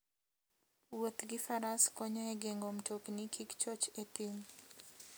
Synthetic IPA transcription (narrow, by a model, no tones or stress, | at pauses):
wot̪ɡifaɾaskɔɲɔɛɡeŋɡom̩toknikʰikt͡ʃɔt͡ʃetin